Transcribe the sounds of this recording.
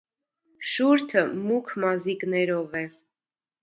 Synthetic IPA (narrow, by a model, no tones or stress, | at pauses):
ʃuɾt̪ʰəmukʰmɑziknɛɾɔvɛ